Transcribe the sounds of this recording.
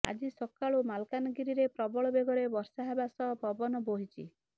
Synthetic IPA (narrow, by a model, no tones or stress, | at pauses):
a̰d͡ʒisɔkaɭumalkanɔɡiɾiɾepɾɔbɔɭɔbeɡɔɽebɔɾsaɦabasɔbɔbɔnɔboɦit͡ʃʰḭ